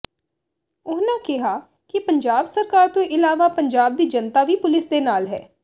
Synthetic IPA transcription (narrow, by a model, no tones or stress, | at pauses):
ʊɦnãːkɪɦaː | kɪpəɲd͡ʒaːbsəɾkaːɾt̪õːʔɪlaːʋaːpəɲd͡ʒaːb̚d̪iːd͡ʒənt̪aːʋiːpʊlɪsd̪eːnaːlɦɛ̰ː